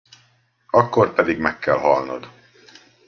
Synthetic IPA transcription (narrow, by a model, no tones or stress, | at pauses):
ɒkːo̞rpɛd̪iɡmɛkːɛlɦɒlno̰d̪